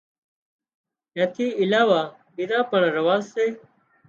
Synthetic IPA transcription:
ẽːt̪ʰiːɪlaːʋaː | bid̪ãːpəɳɾəʋaːzseː

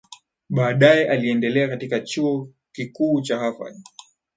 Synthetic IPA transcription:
ɓaːɗajɛʔaliɛndɛlɛakatikat͡ʃuɔ | kikuːt͡ʃahafa̰

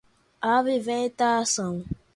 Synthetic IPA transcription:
avivɛ̃tasã

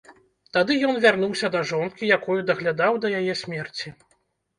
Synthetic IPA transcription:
t̪ad̪ɨjɔnvʲarnuwsʲɐd̪ɐʐɔnkʲijakɔjud̪ɐɣlʲad̪awd̪ɐjajɛsʲmʲɛrt͡sʲi

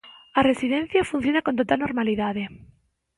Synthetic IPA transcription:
aresiðẽn̟θjafun̟θjonakont̪ot̪alnoɾmaliðaðe

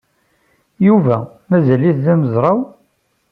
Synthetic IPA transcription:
juvæ | mæzæliθðæməzɾˤɑw

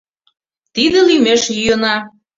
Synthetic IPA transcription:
t̪id̪ĕlimeʃjyjənɑ

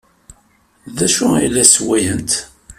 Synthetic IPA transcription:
ðæʃʊijlːæswæjənt̪

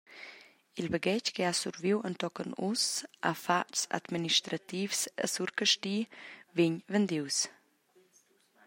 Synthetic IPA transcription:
ilbəɡɛckeasuɾviwənt̪ɔkənusa̰fatsa̰d̪miniʃt̪ɾat̪ifsə̰suɾkəʃtiviɲvənd̪iws

